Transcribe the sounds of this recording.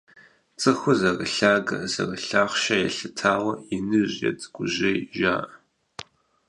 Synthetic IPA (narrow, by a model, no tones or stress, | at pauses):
t͡sʼɨxʷʊzɐrɨɬaːɡɐzɐ̰rəɬaːχʷʃɐjɛɬɨtʰaːwɐinɨʑjɐ̰tʼɨɡ̥ʷʊʑejʒa̰ːʔə